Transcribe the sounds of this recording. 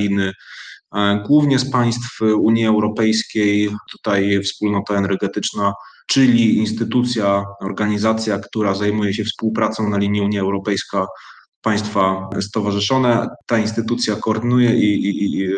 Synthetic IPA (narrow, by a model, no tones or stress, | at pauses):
lʲinɘ | ɡwuvɲɛspaj̃st̪fuɲiɛwɾɔpɛjskʲejt̪u̥t̪ajfspulnɔt̪aɛnɛɾɡɛt̪ɘt͡ʂna | t͡ʂɘlʲiinst̪ɘt̪ut̪sʲjaɔɾɡaɲizat̪sʲjakt̪uɾazajmujɛɕɛfspuwpɾat̪sɔ̃w̃nalʲiɲiuɲjiɛwɾɔpɛjska | paj̃st̪fast̪ɔvaʐɘʂɔnɛt̪ainst̪ɘt̪ut̪sʲjakɔːɾd̪ɘnujɛʔi